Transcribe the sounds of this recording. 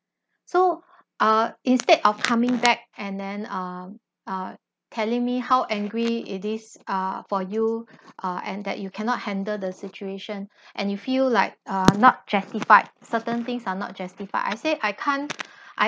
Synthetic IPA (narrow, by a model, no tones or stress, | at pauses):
so | ʔʌĩnstedɔfkʰãmɪ̃ŋbɛk̚ɛ̃ndɛ̃nʌ | ʌ | tʰɛlɪ̃ŋmihawʔɛ̃ŋɡɹiitisʌfɔjuʔʌʔɛ̰̃ndɛ̰ʔ̚jukʰɛnɔt̚hɛ̃ndədəsit͡ʃueʃə̃nʔɛ̰̃njufillaɪk̚ʌnɔt̚d͡ʒastifaɪd̚sətə̃nt̪ɪ̃ŋsanɔ̰t̚d͡ʒastifa̰ɪʔa̰jseʔaɪkʰãnʔa